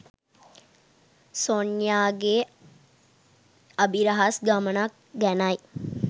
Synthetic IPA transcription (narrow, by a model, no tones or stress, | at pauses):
sonjaːɡe | abiɾaɦasɡamənak̚ | ɡænaj